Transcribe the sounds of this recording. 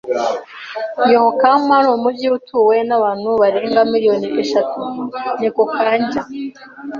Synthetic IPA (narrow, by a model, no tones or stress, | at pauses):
johokammaɾomubɟiutʰuːwe̞naβaːn̥huβaɾeːŋɡamiɾijo̞niʔeʃatunikokʰaːɲɟa